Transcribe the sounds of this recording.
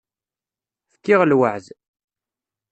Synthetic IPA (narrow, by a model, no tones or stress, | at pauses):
fkːɪʁlwəʕð